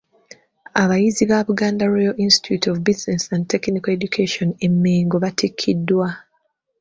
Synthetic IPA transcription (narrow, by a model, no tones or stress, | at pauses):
aβajiziβaβuɡaːndaɾojaʔinsti̥tʰjutʰovbizinesand̚te̞knikoeɟukʰeʃone̞mːeːŋɡo̞βatʰikʰːidːwa